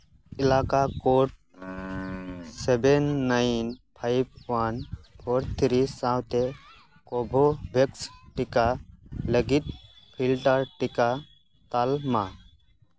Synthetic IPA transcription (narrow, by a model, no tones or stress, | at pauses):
ilaːkakoʈ | sebenːajnpʰajb̚ʰʋanpʰoɾt̪ʰɾisãwt̪e | kobʱobʱeksʈikaləɡit̪̚ | pʰilʈəɾʈika | t̪alma